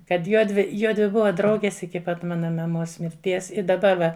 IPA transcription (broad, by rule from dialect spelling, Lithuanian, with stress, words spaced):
kɐt ˈjuɔdʲʋʲɪ ˈjuɔdʲʋʲɪ ˈbʊʋɐ ˈdrɐʊɡʲeːs ɪkʲɪ ˈpɐt ˈmɑːnɐ mɐˈmoːs mʲɪrʲˈtʲiɛs ɪ dɐˈbɐ ʋɐ